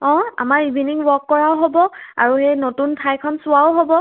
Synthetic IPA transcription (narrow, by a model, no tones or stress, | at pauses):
ɔ̃a̰maɹibʱiniŋwɔkːɔɹaʊɦobɔa̰ɹuxejnotuntʰajkʰɔnsʊaʊɦobɔ